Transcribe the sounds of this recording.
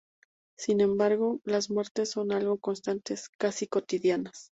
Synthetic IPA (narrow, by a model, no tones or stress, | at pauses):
sinẽ̞mbaɾɣo̞lazmwe̞ɾt̪e̞sːo̞nalɣo̞ko̞nst̪ant̪e̞skasiko̞t̪iðjanas